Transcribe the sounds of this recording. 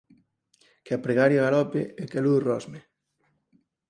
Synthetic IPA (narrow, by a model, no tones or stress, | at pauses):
keapɾeɣaɾjoɣalɔpḛɛkeluðrɔzme